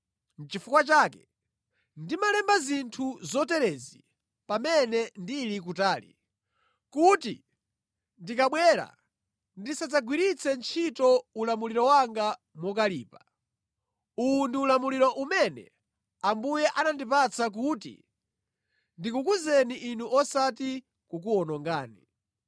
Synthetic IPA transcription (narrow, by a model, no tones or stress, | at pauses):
n̩t͡ʃifukwat͡ʃaːkɛ̥ | ndimalɛmbazintʰuzɔtɛɾɛzi | pamɛnɛndilik̬utaːlḭ | kutḭ | ndikaɓwɛɾa̰ | ndisad͡zaɡwiɾit͡sʰɛnt͡ʃʰitɔulamuliɾɔwaŋɡa | mwɔk̬aliːpḁ | undiːlamuliɾɔʔumɛnɛ̰ | ambujɛʔanandipat͡sak̬uːtḭ | ndikukuzɛniʔinuʔɔsati | kukuɔnɔŋɡaːni